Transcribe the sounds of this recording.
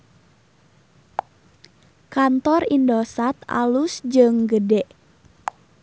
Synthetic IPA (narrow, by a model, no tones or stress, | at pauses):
kant̪ɔrindosat̪a̰lusd͡ʒɨŋɡədɛʔ